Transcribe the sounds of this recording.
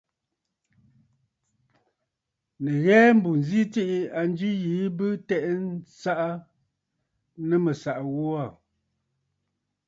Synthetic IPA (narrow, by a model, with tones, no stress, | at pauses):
nə˨ɣɛː˦m̩˦bu˨n˨zi˦ti˦ʔi˦a˨n˦d͡ʒi˦jiː˨˦bɨ˦tɛ˦ʔn˦sa˦ʔa˦ | nə˦mə˨sa˨ʔɣɔ˦a˦˨